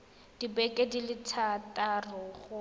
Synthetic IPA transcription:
d̥ibɛkʼɛdilɪtʰatʼarʊɣʊ

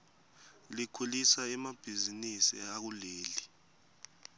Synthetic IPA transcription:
likʰulisaɛmab̥ʱizinisḭak̬uleːli

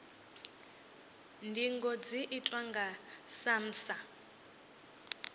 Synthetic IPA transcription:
ndʱiŋɡɔd͡ziʔitʼwaŋɡasam̩ːsa

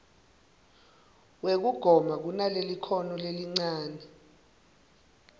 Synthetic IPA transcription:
wek̬uɡ̥ʱɔmak̬unalelikʰɔnɔleliŋ͡ǀaːnɛ

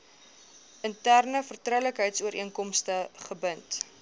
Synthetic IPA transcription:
ʔəntærnəfərtrəwləkɦəjtsuəɾʔiəŋkɔmstəχəbənt

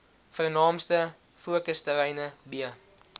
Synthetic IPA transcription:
fərnɑːmstə | fuəkəstəlɛjnəbiə

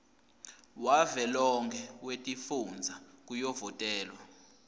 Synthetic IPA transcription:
wavɛlɔŋkʰɛwetʼifund͡zʱak̬ʼujɔvɔtʼɛːlwa

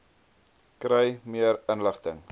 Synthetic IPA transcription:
krəjmiəɾənləχtəŋ

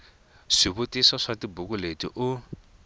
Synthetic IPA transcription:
ʂiβʊtisɔʂatibukʊletḭʔʊ

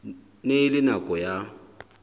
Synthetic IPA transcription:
neɪlɪnakʼɔja

